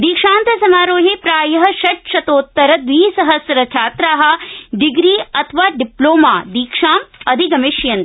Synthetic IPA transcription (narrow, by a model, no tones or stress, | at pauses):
d̪iːkʂaːnt̪ɐsɐmaːɾoːɦepɾaːjɐɦɐ̆ʃɐʈʃɐt̪oːt̪ːɐɾɐd̪ʋiːsɐɦɐsjɐɾɐt͡ʃʰjaːt̪ɾaːɦɐ̆ɖiɡɾiːɐt̪ʰʋaːɖiploːmaːd̪iːkʂaːmɐd̪ʱiɡɐmiʃjɐnt̪